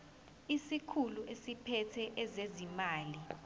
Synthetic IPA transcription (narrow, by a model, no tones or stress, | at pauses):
isikʰuluʔesipʰɛtʰɛʔɛzezimaːli